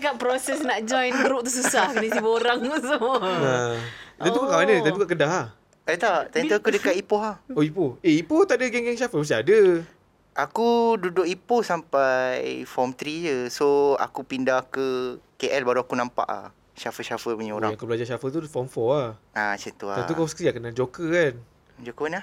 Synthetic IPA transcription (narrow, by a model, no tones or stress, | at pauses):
kaʔpɾosɛsnaʔd͡ʒɔjt̪əɾuʔt̪ususahknəsibəoɾaŋsuat̪ə̃nukakaʔanət̪ənukaʔk̬ədaɦah | ət̪aʔt̪ənt̪uakudəkaʔ̪ipoɦahoipoeipot̪aʔdəɡɛŋɡɛŋʃafəməst̪iadə | ʔakududʊk̚iposampajfɔmt̪ɾid͡ʒəsoa̰kupindakəkeʔɛlbaɾuakunampa̰ʔa̰ | ʃafəʃafəbəɲəoɾã̰jãakubəlad͡ʒaʃafət̪ufɔmfɔahat͡ʃənt̪ua̰anukasə̥kɾiakənad͡ʒokəkan | d͡ʒokəkanah